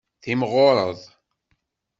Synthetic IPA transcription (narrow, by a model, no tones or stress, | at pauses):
θimʁoɾˤə̰ðˤ